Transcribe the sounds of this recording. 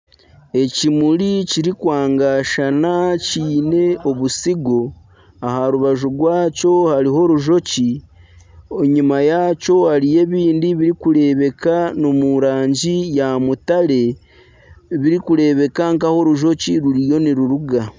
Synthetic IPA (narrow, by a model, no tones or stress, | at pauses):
e̞cimuɾiciɾikwaːŋɡaʃanaciːne̞o̞βusiɡo̞ | ahaɾuβaʒuɡwaːco̞haɾiɦo̞ɾuʒo̞ci | oɲumajaco̞haɾije̞βiːndiβiɾikuɾe̞βe̞kanomuɾaːɲɟijamutale̞ | βiɾikuɾe̞βe̞kaŋkaho̞ɾuʒo̞ciɾuɾijo̞niɾuɾuɡa